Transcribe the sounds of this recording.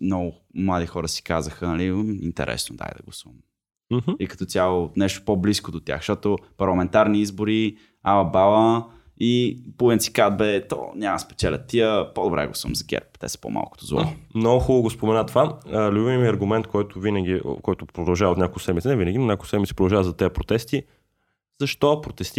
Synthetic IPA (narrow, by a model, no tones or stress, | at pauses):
mnɔɡʊmlˠad̪ixɔɾəsi̥kazəxənɐliḭnt̪ɛ̰ɾʔɛ̰snod̪a̰jd̪ɐ̰ɡlˠɐsuvm | m̩h̩ikɐ̥t̪ɔt̪ʲalˠonɛʃt̪o̥pɔbliskod̪ot̪ʲja̰xʃt̪ɔt̪opɐɾlˠɐmɛnt̪aɾniizbʊɾi | alɐbalˠə | ipuvɛnsi̥kad̪̚bɛt̪ɔ̰nʲamɐspɛ̥t͡ʃ̪ɛlʲə̰t̪iəpod̪obɾɛ̰ɡlˠɐsuvɐ̰mzɐɡʲɛ̰ɾp̚t̪ɛ̰sɛ̥po̰mʔa̰lˠkʊ̥t̪ozvɔ̰mnɔɡʊxulˠəɡospomɛnat̪valʲubivmiɐɾɡʊmɛnt̪̚kʰɔjt̪ʊvinəɡ̟ḭkɔjt̪ʊpɾod̪ɐlˠʒavəot̪nʲɲakolˠsɛdmitsinɛvinəɡʲinnʲakoʊsɛd̪misipɾod̪ɐlˠʒavəzɐt̪ɛəpɾot̪ɛst̪i | z̥ɐʃt̪ɔpɾot̪ɛst̪i